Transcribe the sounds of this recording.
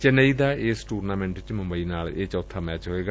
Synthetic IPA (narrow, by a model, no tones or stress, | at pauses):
t͡ʃənəiːd̪aːeːsʈuːɾnaːmɛ̃ːɳʈʋɪt͡ʃmə̃mbəiːnaːleːt͡ʃɔːt̪ʰːaːmɛːt͡ʃɦoeːɡa